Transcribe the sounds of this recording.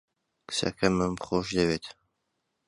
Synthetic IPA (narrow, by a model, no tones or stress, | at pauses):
kɨ̥sɐ̰kʰɐməmχoʃd̪ɐβeːt̪